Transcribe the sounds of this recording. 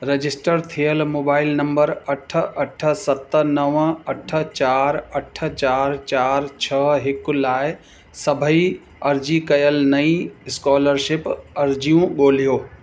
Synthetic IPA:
ɾed͡ʑɪsʈəɾt̪ʰijəlmoːbaːɪlnɐ̃mbəɾɐʈ̆ʰɐʈ̆ʰsɐt̪nɐʋɐʈʰə̆t͡ɕaːɾɐʈ̆ʰt͡ɕaːɾt͡ɕaːɾt͡ɕʰɐɦɪklaːɪ | sɐbʱəi | ɐɾd͡ʑikɐjəlnɐĩɪskɔːləɾʃɪpɐɾd͡ʑijũɠoːl̤ijoː

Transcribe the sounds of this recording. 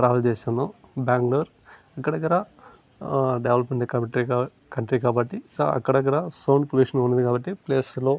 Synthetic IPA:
ʈɾaːʋɐlt͡ɕeːsend̪obaːŋɡloːɾ | ɐkːɐɽɐkːɐɾɽɐ | ɖeʋlɐpmeɳʈkɐmʈɾi | kɐɳʈɾikaːbɐʈːiɐ̰kːɐɽɐk̬ːɐɽɐsoːnpuluːʂɐnoːnːuɐnd̪kaːbɐʈːipleːslo

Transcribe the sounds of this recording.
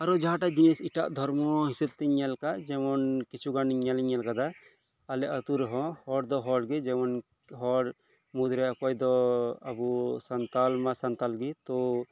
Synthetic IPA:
aɾɔd͡ʒaɦãʈad͡ʒinisiʈa̰ʔd̪ʱɔɾmɔɦisɛb̚t̪ɛɲːɛlkad͡ʒɛmɔnkit͡ʃʰuɡaniɲːaliɲːɛlkad̪aː | lɛʔət̪uɾɔɦɔ̃hɔɽd̪ɔɦɔɽɡid͡ʒɛmɔn | ɦɔɾ | mud̪ɾɛɔkɔjd̪ɔa̰busant̪almasant̪alɡit̪ɔ

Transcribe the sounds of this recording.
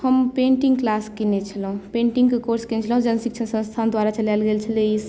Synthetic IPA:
həmpẽɳʈiŋɡklaskinet͡ʃʰəlɦũpẽɳʈiŋɡkekoɾskinet͡ʃʰələɦũd͡ʒənsikt͡ʃʰənsə̃nst̪ʰand̪waɾat͡ʃəlalɡelt͡ʃʰəleis

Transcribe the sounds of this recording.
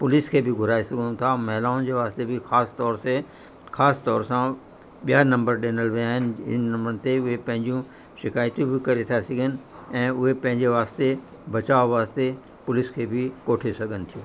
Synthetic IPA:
pʊlɪskʰeːbʱɪɡʱʊɾaːesɐɡʱənũt̪ʰamɛɦɪlaːnd͡ʑeːʋaːst̪ebɪxaːst̪ɔːɾse | xaːst̪ɔːɾsã | ɓijanɐ̃mbəɾɗeːnəlʋiaːɦɪnɪ̆ɪnnɐ̃mbəɾənɪ̆t̪eʊɦepɐ̃ɦɪ̃ɲd͡ʑũ | ʃɪkaːjt̪jũbʱɪkɐɾet̪ʰasɐɡʱənɪ̆ɛ̃ːʊɦepɐ̃ɦɪ̃ɲd͡ʑeʋaːst̪e | bɐt͡ɕaːʋoʋaːst̪e | pʊlɪskʰeːbʱɪkoːʈʰesɐɡʱənɪ̆t̪ʰijũː

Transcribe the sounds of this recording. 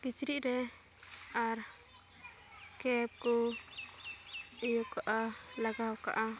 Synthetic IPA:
kit͡ʃɾiʔɾɛ | aɾ | kɛp̚kɔ | ijɔkaʔalaɡawka̰ʔa

